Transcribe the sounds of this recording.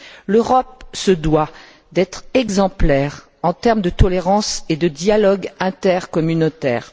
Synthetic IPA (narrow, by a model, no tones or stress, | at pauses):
løʁɔp̚səd̪wa | d̪ɛt̪χɛɡzɑ̃plɛʁ | ɑ̃t̪ɛʁmd̪ət̪ɔleʁɑ̃sed̪əd̪jalɔɡɛ̃t̪ɛʁkɔmynot̪ɛ̰ːʁ